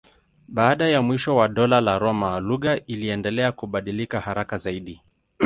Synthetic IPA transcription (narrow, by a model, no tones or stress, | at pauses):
ɓaaɗajamwiʃɔwaɗɔlalaɾɔmaluɣaʔiliɛndɛlɛakuɓaɗilikahaɾakazaiɗi